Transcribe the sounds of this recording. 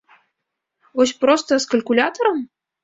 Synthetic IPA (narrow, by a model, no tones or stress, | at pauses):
vɔs̬ʲpɾɔst̪ɐskɐlʲkulʲat̪ɐɾɐm